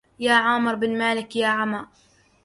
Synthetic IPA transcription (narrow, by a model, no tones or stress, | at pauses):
jaːʕaːmɪɾbɪnmaːlɪkjaːʕamaː